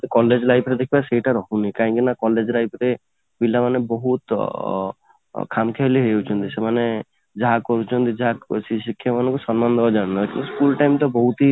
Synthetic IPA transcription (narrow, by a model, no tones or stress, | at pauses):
t̪ekɔled͡ʒlajpʰɾed̪ekʰibaseiʈaɾɔɦũnikaɦĩŋkinakɔled͡ʒɾajpʰɾe | bilamanebɔɦut̪ | kʰamkʰeɦliɦɔjewt͡ʃʰɔnt̪isemane | d͡ʒaɦakɔɾut͡ʃʰɔnt̪id͡ʒaɦasisikʰːjamanɔ̃ŋkusɔnmand̪ɔɦd͡ʒaɽnɔkint̪uskulʈajmt̪ɔbɔɦut̪i